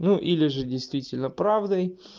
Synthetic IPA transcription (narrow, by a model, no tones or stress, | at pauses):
nuʔilʲɪʐɨdʲɪjst̪vʲitʲɪlʲnəpɾavd̪əj